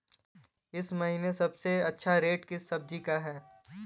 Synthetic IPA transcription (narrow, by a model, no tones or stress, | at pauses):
ɪsmɐɦiːnesɐbseɐtːʃʰaɾeːʈkɪsːɐb̚d͡ʒikaɦɛː